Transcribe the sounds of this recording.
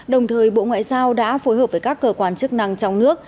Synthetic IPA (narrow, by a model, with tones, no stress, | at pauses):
ɗə˨˩wŋ͡mt̪ʰəː˨˩jɓo̰˧˨ŋwa̰ː˧˨jzaː˧wɗa̰ː˧˥fo˨˦jɦəː˨˩vəː˨˧˩jkaː˦˥kːəː˧kwaː˧˩nt͡ɕɨ˦˥k̚na˧ŋt͡ɕɔ˧wŋ͡mnɨ˦˥ək̚